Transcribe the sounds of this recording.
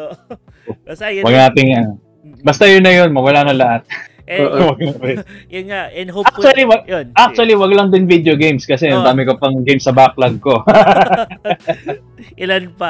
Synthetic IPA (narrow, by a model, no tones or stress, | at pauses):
owɐɡnaːt̪ɪŋɐ | bɐst̪ɐjonɐjonmɐwɐlaːnɐŋlɐʔat̪̚ː | wɐɡ̚naɛjʊanak̚ɐliwɐɡʔak̚t͡ʃ̪uɐliwɐɡlɐŋd̪ɪnvid̪eoɡejmskɐsɛnɐd̪aːmɪkɐpɐŋɡejmsɐbak̚lɐɡ̚ko̞ | ɪlanpa